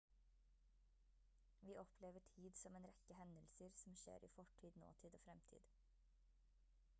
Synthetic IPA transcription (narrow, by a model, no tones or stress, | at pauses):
ʋiːʔɔpʰleːʋəʈʰiːd̪sɔmeːnɾɛkəhɛnəlsəɾsm̩ʃḛːɾʔḭːfɔʈʰiːd̪no̰ːt̪ʰiːd̪oːfɾɛmt̪ʰḭːd̪̥